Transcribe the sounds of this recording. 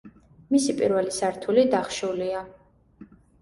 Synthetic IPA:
misipʼḭɾvɛlisaɾt̪ʰulid̪aχʃulia

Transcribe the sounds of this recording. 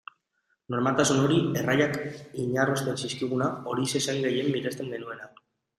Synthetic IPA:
no̞ɾmalt̪asuno̞ɾie̞rajakiɲarost̪e̞nsiskiɣ̞unao̞ɾisesaŋɡe̞je̞mːiɾe̞st̪e̞ŋɡe̞nue̞na

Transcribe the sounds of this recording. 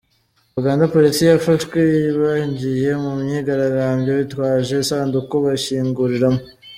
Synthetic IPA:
aβaɡaːndapo̞lisijafaʃkeβaɲɟije̞mumɲiɡaɾaɡaːmbɟeβitwaːʒe̞sandukoβaçiːŋɡuɾiɾamo

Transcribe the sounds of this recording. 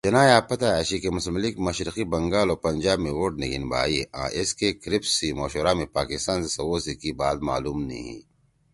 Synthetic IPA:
d͡ʒɐnaːjaːpɐt̪aɐɕikemʊsmlikmɐʃɾiqibɐŋɡaːloːpɐɲd͡ʒaːbmẽwoːʈnḛɡḭnba̰ːiʔã̰ːʔeskekɾipsimoːʃoːɾamẽpaːkist̪aːnsesɐwoːsikibaːt̪ma̰ːluːmnɐ̰ɦḭ̃

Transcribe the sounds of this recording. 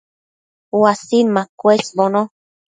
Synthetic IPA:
wasinmakʷwesbono

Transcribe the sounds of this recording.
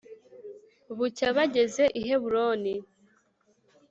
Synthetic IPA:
βucaβaɟe̞ze̞ʔiɦeβuɾoni

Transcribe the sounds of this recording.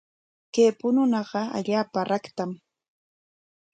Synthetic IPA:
keːpʊnʊnɑɢɑa̰ʎaːpaɾakt̪am

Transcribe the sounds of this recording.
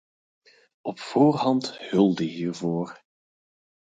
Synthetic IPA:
ɔpfoːrɦɑnthɵlˠdəɦiːrvoːr

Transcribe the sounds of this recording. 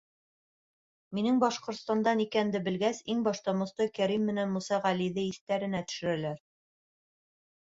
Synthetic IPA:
minɘŋbɑʃqŏɾt̪st̪ɑnd̪ɑnikænd̪ɘbɘ̆lɡæsiŋbɑʃt̪ɑmŏst̪ɤkæɾimːɘ̆nænmusɑʁæliðɘiθt̪æɾɘ̆næt̪ɵ̥̆ʃɘ̆ɾɘ̆læɾ

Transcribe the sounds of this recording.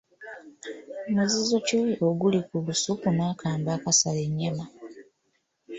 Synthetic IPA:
muzizo̞cuiʔoɡulikulusukunaːkʰaːmbaːkasaleɲːama

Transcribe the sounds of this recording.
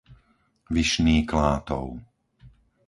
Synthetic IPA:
ʋiʃniːklaːt̪ɔ̰ʊ

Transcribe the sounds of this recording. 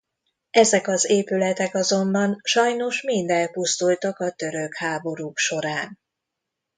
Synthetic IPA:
ɛzɛkɒzeːpylɛt̪ɛkɒzo̞mbɒnʃɒjno̞ʃmind̪ɛlpust̪ult̪ɒkɒt̪ø̞ɾøkhaːbo̞ɾuːkʃo̞ɾaːn

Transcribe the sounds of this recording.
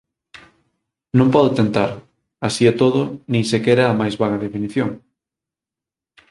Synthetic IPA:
nõmpɔðot̪ent̪aɾ | asiɛt̪oðʊnĩŋsekɛɾaaːmajzβaɣɐðefiniθjoŋ

